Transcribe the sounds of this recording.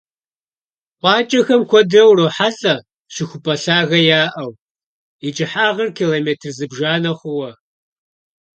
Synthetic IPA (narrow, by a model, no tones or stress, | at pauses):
qʷɑːt͡ʃʼɐxɐmkʷʰɔdrɐwroħaɮʼɐ | ɕɪxʷʊpʼɐɬaːɣɐjaːʔɐw | it͡ʃʼɪħaːʁɐrkʰiːloːmeːtʰrzɨbʒaːnɐχʷʊwɐ